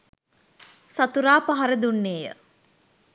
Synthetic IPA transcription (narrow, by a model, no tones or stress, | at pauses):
sat̪uɾaːpaɦaɾəd̪unːeːjə̰